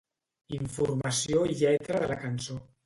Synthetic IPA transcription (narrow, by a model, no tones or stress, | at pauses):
iɱfurmasjoiʎɛt̪ɾaðəlakanso